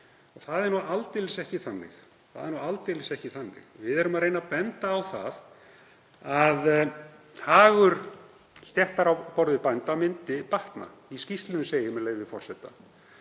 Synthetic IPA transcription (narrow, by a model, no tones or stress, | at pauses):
ɔθaðɛɾnualt̪elɪsɛhcɪθanːɪ̰x | θa̰ðɛɾnualt̪elɪsɛhcɪθanːɪ̰xvɪðɛɾʏmaðɾejnapɛnt̪aːwθa̰ð | að | haːɣʏɾ̥ | st̪jɛht̪aɾawpɔɾðɪpajnt̪awmɪnt̪ɪpaht̪na̰ | iscist̪lɪnʏseːjɪmɪleːjvɪfɔr̥sɛt̪a